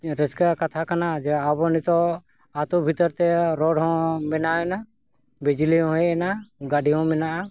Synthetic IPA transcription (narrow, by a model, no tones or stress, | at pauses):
ɾəd͡ʒkakat̪ʰakanad͡ʒɛabɔnit̪ɔ | at̪ubʱit̪ɔɾt̪ɛɾɔɖɦɔ̃mɛnaɛna | bɛd͡ʒiliɦɔ̃ɔ̃ɦɛɛnaɡaɖiɦɔ̃mɛnaʔa